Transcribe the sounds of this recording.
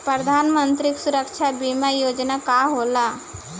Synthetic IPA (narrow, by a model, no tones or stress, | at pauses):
pɾəd̪ʱaːnmənt̪ɾiksuɾəkʃʰabimajoːd͡ʒnakaɦola